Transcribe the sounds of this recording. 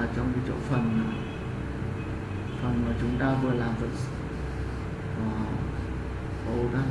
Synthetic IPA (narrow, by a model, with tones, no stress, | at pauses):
t͡ɕɔ˧wŋ͡mki˧˦t͡ɕo̰˧˥fə˨˩naː˨˩ | fə˨˩nmaː˨˩t͡ɕʊ˨˦ŋ͡mt̪aː˧vɨ˨˩əlaː˨˩mvə˨˩t̚s | əː˨˩ | ʔə˧˩wɗa˦